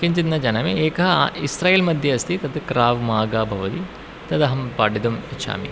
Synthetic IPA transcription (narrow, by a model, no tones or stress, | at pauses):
kiɲt͡ʃid̪nɐd͡ʒɐnɐmieːkɐɦɐisɾaːjeːlmɐd̪ʱjɐɐst̪ʰit̪ɐd̪kɾaːʋmaːɡaːbʱɐʋɐt̪i | t̪ɐd̪ɐɦɐmpaːɖid̪umit͡ʃʰa̰ːmḭ